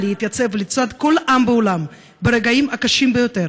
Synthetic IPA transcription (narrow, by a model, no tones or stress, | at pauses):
lejit̪jat͡se̞vlit͡sad̪ko̞lʔambeolam | beɾeɡaimakaʃimbejo̞t̪e̞ɾ